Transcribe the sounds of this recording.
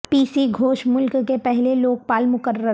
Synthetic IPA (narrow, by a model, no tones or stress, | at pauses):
piːsiɡʱoːʃmʊlkːepɛɦleloːɡ̚paːlmʊkəɾə